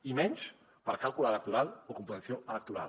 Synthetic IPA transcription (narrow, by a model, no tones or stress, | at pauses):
imɛ̃ns | paɾakalˠkuloalək̚t̪uɾalokompɾẽnθjoalak̚t̪uɾa̰l